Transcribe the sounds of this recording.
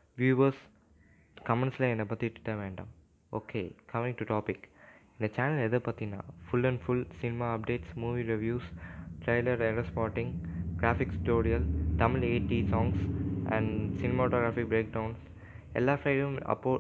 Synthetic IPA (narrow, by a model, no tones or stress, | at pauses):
ʋjuːʋəs | kɐmɛ̃ɳʈslaɛ̃nɐpɐt̪ːiɖɪʈ̪ːaːʋẽːɳɖã̰ːm | o̰ːkʰeːkʰɐmɪ̃ŋʈuʈɔːpɪkɪ̃nd̪ɐt͡ʃæːnəlɛd̪əpɐt̪inã̰ːfʊlɛ̃ɳɖfʊlsɪnɪmaːɐp̚ɖeːʈsmuːʋiːɾiʋjuːsʈɾeɪləɾeɾəspɔːɾʈɪ̃ŋɡɡɾaːfɪksʈoːɾiɐlt̪ɐməleːʈiːsɔ̃ːŋɡsɛ̰̃ɳɖsɪnɪmaʈoːɡɾaːfɪk̚bɾeːk̚ɖãʊ̃ns | ɛ̰lːaːfɾaɪɖũmɐ̰pːoː